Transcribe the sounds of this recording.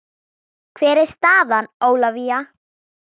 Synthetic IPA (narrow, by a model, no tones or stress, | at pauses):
kʰvɛːɾɪɾ̥st̪aːðanoːwlavia